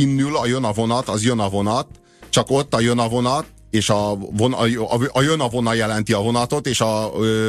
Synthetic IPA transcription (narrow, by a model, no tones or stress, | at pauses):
inːylɒjønɒvo̞nɒt̪ɒzjønɒvo̞nɒt̪ | t͡ʃɒko̞t̪ːɒjønɒvo̞nɒt̪ | eːʃɒvonɒjønɒvo̞nɒjɛlɛnt̪iɒvo̞nɒt̪o̞t̪eːʃɒø